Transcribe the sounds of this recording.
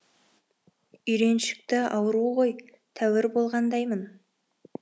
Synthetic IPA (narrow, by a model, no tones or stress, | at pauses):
ʏjɾe̞nʃɪ̥k̚t̪ɪɑwəɾuʁo̞j | t̪ʰæwɪɾbo̞lˠʁɑnd̪ɑjmən